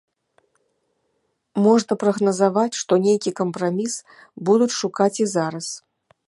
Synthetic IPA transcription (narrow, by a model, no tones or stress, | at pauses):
mɔʐnɐpɾɐɣnɐzavat͡sʲʂt̪ɔnʲejkʲikɐmpɾamʲis | bud̪ut͡sʂukat͡sʲizaɾɐs